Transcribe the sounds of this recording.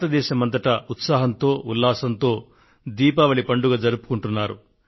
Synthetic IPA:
t̪ɐd̪ɛːʃɐmɐnd̪ɐʈɐut̪saːɦɐnt̪o̞ːulːaːsɐnt̪o̞ː | d̪iːpɐʋɐɭipɐɳɖuɡɐd͡ʒɐɾupu̥kuɳʈunːaːɾṵ

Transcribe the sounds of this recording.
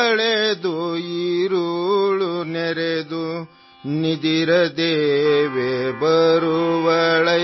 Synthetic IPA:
ɭed̪uiɾuɭuneɾed̪u | nid̪iɾɐd̪eːʋebɐɾuʋɐɭɐ

